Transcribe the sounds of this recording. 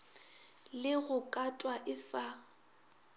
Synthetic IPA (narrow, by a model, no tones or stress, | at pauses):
lɪɣʊkʼatʼwaʔɪsa